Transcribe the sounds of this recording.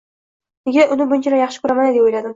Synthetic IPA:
nɪɡʲaʔʊnɪbʊnt͡ʃʰaɾajɑχʃɪ̥kʰʊɾamanad̪epojlad̪ɪm

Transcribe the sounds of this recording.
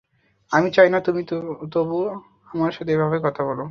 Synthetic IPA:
amit͡ɕajnat̪umit̪obu | amaɾʃɔt̪ʰeebʱabekɔt̪ʰabɔlo

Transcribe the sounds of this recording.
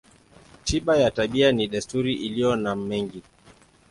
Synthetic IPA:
tiɓajataɓianiɗɛstuɾiʔilijɔnam̩mɛŋɡi

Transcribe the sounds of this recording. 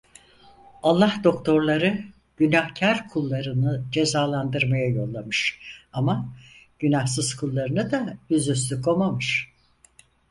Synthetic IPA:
alˠːahd̪o̞kt̪ʰo̞ɾlˠaɾɯ | ɟ̥ynahcʰaɾkʰulˠːaɾɯnɯd͡ʒe̞zaːlˠand̪ɯɾmajajo̞lˠːamɯʃamaɟ̥ynahsɯz̥kʰulˠːaɾɯnɯd̪ajyzyslykʰo̞mamɯʃ

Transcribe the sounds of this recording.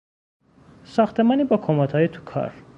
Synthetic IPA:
sɒxt̪ʰemɒːniːbɒːkʰomɒt̪hɒːjet̪ʰu̥kʰɒ̰ɾ

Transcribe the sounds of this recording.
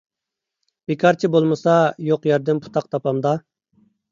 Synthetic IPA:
b̥ekʰɑɾt͡ʃʰibolˠmɨsɑjoqjɛɾd̪ɪmpʰu̥t̪ʰɑq̚t̪ʰɑpɑmd̪ɑ

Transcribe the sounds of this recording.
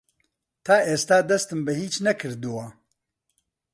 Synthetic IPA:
t̪ʰaːʔeːst̪aːd̪ɐst̪ɨmbɨhiːt͡ʃnɛkʰɨɾd̪ɨwa

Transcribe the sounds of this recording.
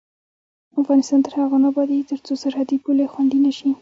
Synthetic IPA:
afɣɑnɪst̪ɑnt̪əɾhaɣanabɑd̪it̪əɾt͡sosaɾhad̪ipulexwaɳɖinaʃi

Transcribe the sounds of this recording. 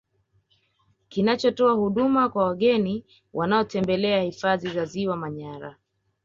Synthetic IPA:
kinat͡ʃɔtɔahuɗumakwawaɠɛni | wʔanaɔtɛmbɛlɛahifaðizaziwamaɲaɾa̰

